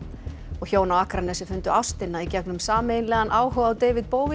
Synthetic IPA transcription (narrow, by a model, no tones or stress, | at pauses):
ɔɣçoːwnawahkɾanɛsʏfʏnt̪ʏawst̪ɪnːaicɛknʏmsaːmeːjnlɛːɣðanʔaːwɦœwawt̪ejvɪðpoːwvɪ